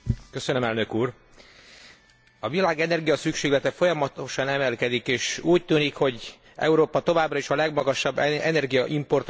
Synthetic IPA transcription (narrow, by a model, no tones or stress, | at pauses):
kø̞sønømɛlnøkuːr | ɒvilaːɡɛnɛrɡijɒsykʃeːɡlɛt̪ɛfo̞jɒmɒt̪o̞ʃɒnɛmɛlkɛd̪ikeːʃuːc̚t̪yːnikho̞ɟ | ɛ̰uɾoːpɒt̪o̞vaːbrɒeʃɒlɛɡmɒɡɒʃɒbːɛnɛrɡijɒʔimpo̞rt̪